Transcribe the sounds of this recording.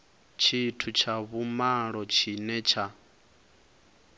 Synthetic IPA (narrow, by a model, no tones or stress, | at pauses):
t͡ʃʰitʰut͡ʃʰaβumaɺɔt͡ʃʰinɛt͡ʃʰa